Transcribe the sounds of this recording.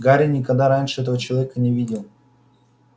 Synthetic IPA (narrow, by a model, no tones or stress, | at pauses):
ɡaɾʲinʲɪkɐɡd̪aɾanʲʂɨɛt̪əvət͡ɕɪlˠɐvʲɛkənʲɪvʲidʲɪlˠ